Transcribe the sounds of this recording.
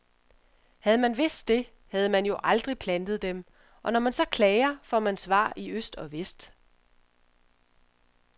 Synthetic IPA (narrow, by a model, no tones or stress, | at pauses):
hæð̞̩ˠəmænʋe̝sd̥ːe̝ | hæð̞̩ˠəmænjo̝ʔɑ̈ld̥ʁipʰlænd̥ð̞̩ˠd̥em | ʔɒ̽nɒmænsɒ̽kʰlɛːɪɐfɒ̰mænsʋɑ̰̈ːʔiøsd̥ɒ̽ʋesd̥